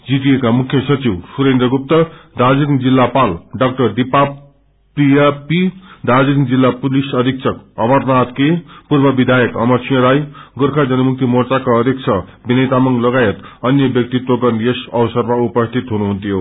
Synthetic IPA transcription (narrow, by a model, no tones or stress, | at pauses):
d͡zit̪ijekamukʰːjʌsʌt͡siwsuɾend̪rʌɡup̚t̪ʌd̪ʱad͡ziɾiŋd͡zilːapalɖʌk̚ʈʌrɖipa | prijapid̪ʱad͡ziɾiŋd͡zilːapulisʌd̪ʱiksʰʌkʌbʌrnat̪kepurbʌbid̪ʱajʌkʌ̰mʌrt͡sʰijʌɾajɡorkʰad͡zʌnʌmuk̚t̪imort͡sakaʌd̪ʱik̚t͡sʰʌbinʌjt̪amʌŋlʌɡajʌt̪ʌnjʌbjʌk̚t̪it̪woɡʌnjesʌwʌsʌrmaupʌst̪ʰit̪ɦunuɦunt̪jo